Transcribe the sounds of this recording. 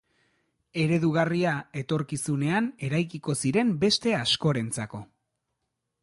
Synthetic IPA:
e̞ɾe̞ðuɣ̞ariae̞t̪o̞ɾkisune̞ane̞ɾajkiko̞siɾe̞mbe̞st̪e̞asko̞ɾe̞nt͡sako̞

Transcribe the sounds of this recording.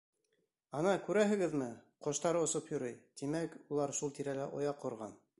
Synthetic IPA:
ɑnɑkʉɾæɦɘ̆ɡɘðmɘqŏʃt̪ɑɾɤŏsopjŏɾɤjt̪imækulˠɑɾʃulˠt̪iɾælæʔŏjɑqːŏɾʁɑ̰n

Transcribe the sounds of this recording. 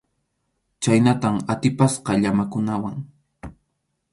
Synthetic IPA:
t͡ʃajnat̪amat̪ɪpasqɑʎamakʊnawaŋ

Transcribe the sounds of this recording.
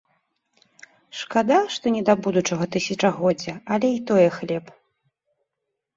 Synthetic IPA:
ʂkad̪aʂt̪ɔnʲɛd̪abud̪ut͡ʂɐɣɐt̪ɨsʲɐt͡ʂɐɣɔd͡zʲːɐɐlʲɛit̪ɔjɛxlʲɛp

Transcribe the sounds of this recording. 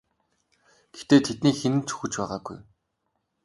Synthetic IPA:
ɡ̥et̪eːt̪ʰet̪niːxenɘ̆nt͡su̥xɵ̆t͡ɕpæːʁaːɡṵj

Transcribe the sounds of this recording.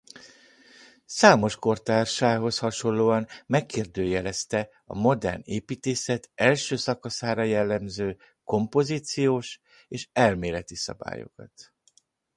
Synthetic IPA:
saːmo̞ʃko̞rt̪aːrʃaːɦo̞shɒʃo̞lːoːɒnmɛkːeːrd̪øːjɛlɛst̪ɛ | ɒ̰mo̞d̪ɛ̰rneːpiːt̪eːsɛt̪ɛlʃøːsɒkɒsaːɾɒjɛlːɛmzøː | ko̞mpo̞ziːt̪sijoːʃ | eːʃɛlmeːlɛt̪isɒ̰ba̰ːjo̞̰kɒ̰t̪

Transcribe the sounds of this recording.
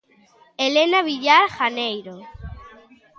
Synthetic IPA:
elenaβiʎaɾxanejɾo

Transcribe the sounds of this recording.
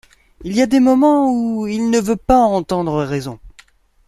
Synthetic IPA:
iliad̪emɔmɑ̃uilnəvøpaɑ̃t̪ɑ̃d̪ʁəʁɛzɔ̰̃

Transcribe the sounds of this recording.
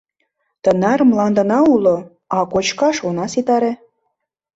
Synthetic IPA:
t̪ənɑɾmlɑnd̪ə̆nɑulo | ɑkot͡ɕkɑʃonɑsit̪ɑɾe

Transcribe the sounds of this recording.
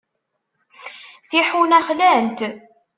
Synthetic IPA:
θiħunæχlænt̪

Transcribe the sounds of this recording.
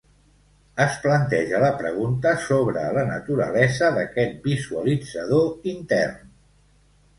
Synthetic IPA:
əsplənt̪ɛʒələpɾəɣunt̪əsoβɾə̰lənət̪uɾə̰lɛzəðəkɛt̪̚bizuəlid͡zəð̞oint̪ɛ̰rn

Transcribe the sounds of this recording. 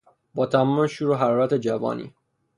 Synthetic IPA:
bɒːt̪ʰæmɒːmeʃuːɾoɦæɾɒːɾæt̪ʰe̞d͡ʒævɒ̰ːnḭː

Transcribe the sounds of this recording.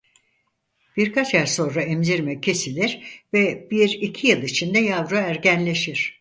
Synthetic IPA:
b̥iɾkʰat͡ʃjæɾso̞nɾaɛmziɾmɛcʰe̞silʲiɾ̥vɛb̥iɾicʰijɯlˠit͡ʃʰind̪ɛjavɾaæɾɟænlʲe̞ʃiɾ̝̥

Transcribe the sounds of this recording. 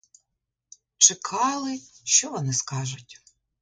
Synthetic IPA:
t͡ʃɪkʰɑlˠɪʃt͡ʃɔʋɔnɪskɑʒʊtʲ

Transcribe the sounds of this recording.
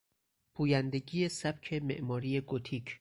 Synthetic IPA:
pʰuːjænd̪e̞ɟiːjesæb̥̚cʰe̞me̞̰ʔmɒːɾije̞ɡot̪ʰiːcʰ

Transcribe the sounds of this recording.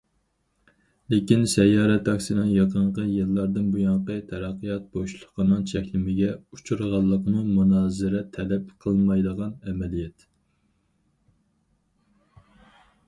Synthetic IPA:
lekʲinsɛjɑːɾɛt̪dɑkʲsɨnɨŋjɑqʰəɴqəjɨlˠːɑɾd̪ɨnbujɑɴqət̪ʰɛɾɑqʰːijɑt̪̚boʃlˠəqənɨŋt͡ʃʰɛkʲlɪmɪɡʲɛut͡ʃʰuɾʁɑlˠːəqmumunɑːzɨɾɛt̪ʰɛlɛpqʰəlˠmɑjd̪əʁɑnɛmɛlijɛt̪

